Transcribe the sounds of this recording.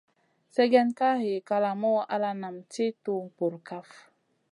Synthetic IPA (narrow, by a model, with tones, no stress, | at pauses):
sɛ˦ɡɛ˦nka˦ɦe˨ka˧la˨mɔ˦wʔa˦la˦na˨mti˦tu˦˨pu˨ɾka˦f